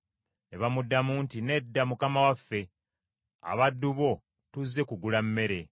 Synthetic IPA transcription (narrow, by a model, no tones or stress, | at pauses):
neβamudːamuːntine̞dːamukamawafːe̞ | a̰βadːuβo̞ | tuzːe̞kuɡulamːe̞ɾe̞